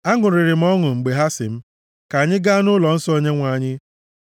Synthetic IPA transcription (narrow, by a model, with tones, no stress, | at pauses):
a˦ŋʊ˨ɾɪ˨ɾɪ˨m̩˦ɔ˦ŋʊ˨ŋ͡m̩˨ɡ͡be˨ɦa˦sɪ̰˨m̩˦ | ka˨ɲɪ˦ɡa˦a˦nʊ˦lɔ˨n̩˦sɔ˦o˦ɲe˦ŋʷa˨ɲɪ˦